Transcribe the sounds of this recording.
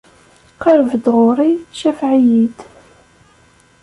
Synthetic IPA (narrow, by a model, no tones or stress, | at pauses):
qəɾəvd̪ʁʊɾˤiʃæfʕijid̪